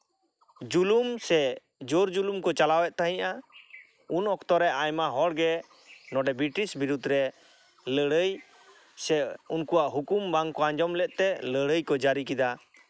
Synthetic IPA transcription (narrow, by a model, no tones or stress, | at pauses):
d͡ʒulumsɛ | d͡ʒoɾd͡ʒulumkɔt͡ʃalawɛʔ̚t̪aɦiɲʔa | unɔkt̪ɔɾɛʔajmaɦɔɽɡɛ | nɔɖɛbiʈisbiɾud̪ɾɛ | ləɽəj | sɛunkuwaʔɦukumbaŋkɔãɲd͡ʒɔmlɛʔ̪̚t̪ɛləɽəjkɔd͡ʒaɾikid̪a